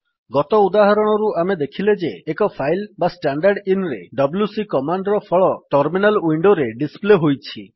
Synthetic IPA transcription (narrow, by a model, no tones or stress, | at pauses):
ɡɔt̪ɔud̪aɦaɾɔɽ̃ɔɾuamed̪ekʰiled͡ʒeːkɔpʰajlbasʈaɳɖaɾɖinɾḛɖɔbljusikɔmaɳɖɾɔpʰɔɭɔʈɔɾminaliɳɖoɾeɖispleɦojt͡ʃʰi